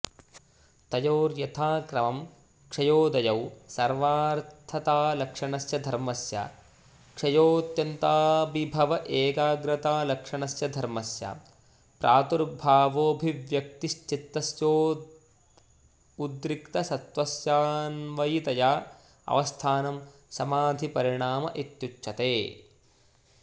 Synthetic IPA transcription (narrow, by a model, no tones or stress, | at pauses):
t̪ɐjoːɾjɐt̪ʰaːkɾɐmɐm | kʂɐjoːd̪ɐjɐwsɐɾʋaːɾtt̪ʰːɐt̪aːlɐkʂɐɳɐsjɐd̪ʱɐɾmɐsja̰ | kʂɐjoːɐt̪jɐnt̪aːbibʱɐʋɐʔeːkaːɡɾɐt̪aːlɐkʂɐɳɐsjɐd̪ʱɐɾmɐsja̰ | pɾʔaːt̪uɾbʱaːʋoːbʱiʋjɐk̚t̪ist͡ʃit̪ːɐsjoː | ud̪ɾikt̪ɐsɐt̪ʋɐsjaːnʋɐjit̪ɐjaː | ɐ̰ʋɐst̪ʰaːnɐmsɐmaːd̪ʱipɐɾiɳaːmɐ̰ʔit̪jut͡ʃːʃʰɐt̪eː